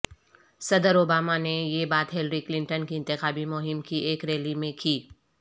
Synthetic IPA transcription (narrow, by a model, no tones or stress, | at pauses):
sɐd̪əɾoːbaːmanejeːbaːt̪ɦɪlɾiklɪ̃ɳʈənkiɪ̃nt̪ɪxaːbimʊɦɪmkieːkɾeːlimẽkiː